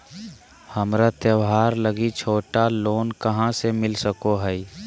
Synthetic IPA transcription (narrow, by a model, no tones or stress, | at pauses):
həmɾat̪jəʋɦaːɾləɡit͡ʃʰoːʈaloːnkəɦãsemɪlsəkoɦɛi